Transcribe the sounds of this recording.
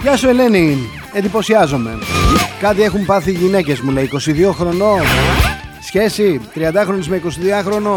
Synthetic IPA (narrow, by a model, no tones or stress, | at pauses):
jɐsue̞le̞ni | end̪ipo̞siɐzo̞me̞̰kɐt̪ie̞xumpɐθiʝine̞ce̞zmuleiko̞siðio̞xɾo̞no | sçe̞sit̪ɾiɐnd̪ɐxɾo̞nizmeiko̞siðiɐxɾo̞no